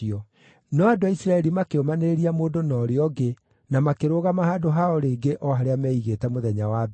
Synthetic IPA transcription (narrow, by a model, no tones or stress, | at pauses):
iɔ | nɔadoaisɾaɛɾimakeomaneɾeɾiamoːdonɔːɾeɔɡe | namakeɾoɣamahaːdoɦaɔɾeːɡeʔɔɦaɾeamɛiɣetɛmoðɛɲawa